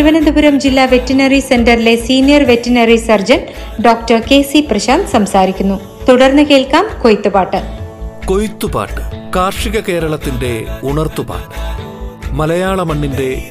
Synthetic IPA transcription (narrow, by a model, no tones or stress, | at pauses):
uʋɐnɐd̪ubuɾɐmd͡ʑilːaːʋe̞tːinɐrisendɐrile̞siːnijɐrʋe̞tːinɐrisɐrd͡ʑɐn | ɖo̞ːk̚tɐrke̞ːsiprɐɕaːd̪sɐmsaːɾikʲːunːu | t̪uɽɐrnːɨke̞ːɭkaːmkojit̪ːubaːʈːɨko̞jit̪ːuba̰ːʈːɨ̥kaːrʂiɣɐke̞ːɾɐɭɐt̪ːinde̞uɳɐrt̪uba̰ːʈːɨ̥ | mɐlɐjaːɭɐmɐɳːinde̞